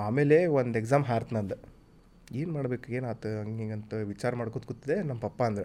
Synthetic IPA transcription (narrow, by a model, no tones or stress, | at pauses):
aːmeːleʋond̪ekzaːmɦaːɾt̪ʰnɐnd̪ɐ | eːnmaːɽbekueːnat̪ɐɐŋɡiɡɐnt̪ɐʋit͡ʃaːɾɐmaːɽkod̪kut̪ːɐd̪enɐmːɐpɐpːɐɐnd̪ɐɾe